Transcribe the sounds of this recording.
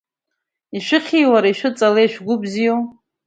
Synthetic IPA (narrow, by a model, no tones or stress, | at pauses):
iʃʷɨχʲʰijwaɾaiʃʷɨt͡sʼalejʃʷᶣɡʷʊbzijow